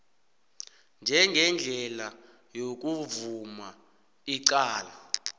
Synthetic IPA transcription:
nd͡ʒʱɛŋɡʱɛnd͡ɮʱɛla | jok̬ʼuvuma | iǀaːla

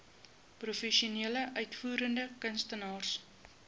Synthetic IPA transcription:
prufɛʃiuniələʔœɥtfuːɾəndəkənstənɑːrs

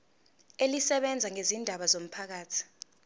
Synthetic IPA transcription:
elisɛɓɛnd͡zʱaŋezindʱaɓazom̩pʰak̬aːtʰi̥

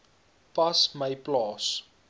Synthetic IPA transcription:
pɐsməjplɑːs

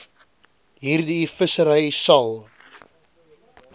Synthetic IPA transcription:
ɦiːrdifəsəɾəjsɐlˠ

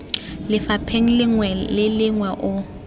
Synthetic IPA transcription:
lɪfapʰeŋ̩lɪŋwɛɪlɪŋwaʔʊ

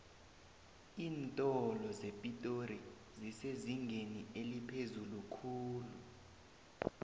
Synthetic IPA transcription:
iːntʼɔlɔzepʼitʼori | ziseziŋɡʱenielipʰezulukʰuːlu

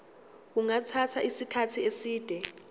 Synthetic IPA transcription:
k̬uŋat͡sʰatʰaʔisikʰatʰiesiːd̥ʱɛ

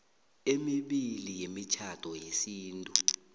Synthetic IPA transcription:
emiɓilijemit͡ʃʰatʰɔjesiːntʼu

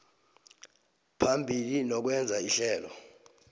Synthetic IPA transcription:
pʰambʱilinɔk̬wɛnd͡zʱaiɬɛːlɔ

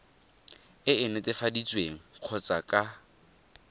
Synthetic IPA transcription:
ɪɪnʊtʼɪfadit͡sʼweŋ̩q͡χʰɔt͡sʼakʼa

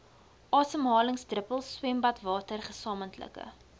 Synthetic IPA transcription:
ʔɑːsəmɦɑːləŋsdrəpəlˠswɛmbɐtvɑːtərχəsɑːməntlə̰kə̰

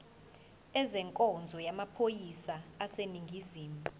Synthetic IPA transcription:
ɛzɛŋkʼɔnd͡zʱɔjamapʰojisaːseniŋɡʱiziːmu

